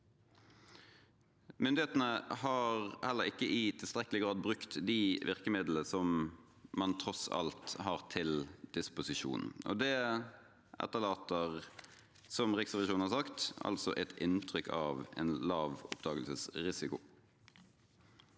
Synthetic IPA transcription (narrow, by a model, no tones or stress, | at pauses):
mʏnd̪ɪheːt̪nəhɑːʁhɛlːəʁɪkːəʔɪt̪ʰɪlst̪ʁɛkəlɪɡʁɑːd̪̚bʁʉkt̪d̪iʋʔɪʁkəmɪd̪l̩əsɔmmɑnt̪ʰɾɔsɑ̰lt̪hɑʁt̪ʰɪld̪̥ɪspʊsɪʃṵːnɔ̰d̪ɛ | ʔæ̰t̪ːəʁlɑːt̪əʁ | sɔmʁɪksəʋɪʃuːnn̩hɑɾsɑkt̪ʔɑ̰lsɔʔɛt̪ɪnt̪ʰʁʏkʰɑːʋɛ̰ːnlɑːʋɔpd̪ɑːɡəlsəsʁɪsɪkʊ